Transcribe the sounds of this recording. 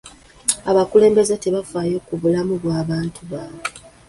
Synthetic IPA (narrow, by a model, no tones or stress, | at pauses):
aβakule̞ːmbe̞zete̞βafaːjo̞ːkuβulamuβwaːβaːntuβaːβe